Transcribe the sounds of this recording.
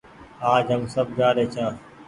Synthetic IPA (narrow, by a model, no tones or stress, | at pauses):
aːd͡ʒɦəmsəb̚d͡ʒaːɾeːt͡ʃʰãː